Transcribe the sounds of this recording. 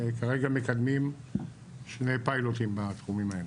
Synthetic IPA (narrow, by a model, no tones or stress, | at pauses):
kaʁe̞ɡame̞kad̪mim | ʃnejpajlot̪imbat̪χumimael